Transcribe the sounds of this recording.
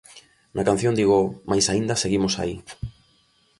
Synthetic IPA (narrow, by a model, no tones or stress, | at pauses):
nʔakanθjõnd̪iɣomajsaind̪ɐseɣimosa̰i